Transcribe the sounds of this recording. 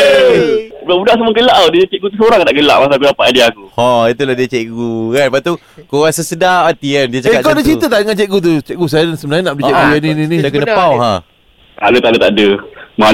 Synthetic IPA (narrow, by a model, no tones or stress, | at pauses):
buaʔbudaʔsəməɡəlaʔadiət͡ʃɛʔɡut̪̬usoɾaŋt̪aʔɡəla̰ʔmas̬aak̬udapat̪adiakuhɔit̪ulahdiət͡ʃɛʔɡukanpat̪u | koɣaŋsəsədaat̪ikandiət͡ʃakakawdat͡ʃit̪ət̪aʔdəŋant͡ʃɛʔ̚ɡut̪̬ut͡ʃɛʔ̚ɡus̬ajsəmbənaɲanaʔpulit͡ʃɛʔɡujaninĩnĩdakənəpawɦã | t̪alot̪aʔdət̪aʔdəma